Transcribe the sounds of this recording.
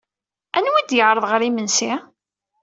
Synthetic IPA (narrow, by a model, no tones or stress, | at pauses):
ænwid̪jəʕɾˤəðˤʁəɾimənsi